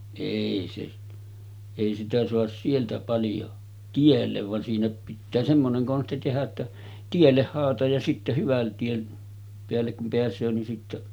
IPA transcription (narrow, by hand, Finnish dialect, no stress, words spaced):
eˑi se eˑi sitæ soɑs sieltæ pɑljo tielːeʋ ʋɑn siːnæ pitːæː semːoneŋ konsti tehæ tːæ tielːeh hɑːlɑtɑj jɑ sitːe hyʋæn tien peælːek kum peæsˑøː nin sitːe